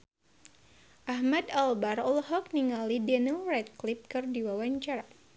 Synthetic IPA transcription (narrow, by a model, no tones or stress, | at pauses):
ʔaɦmadalbarɔlɦɔk̚niŋalidɛnəlrɛt̪̚klip̚kɨrdiwawaɲt͡ʃaɾa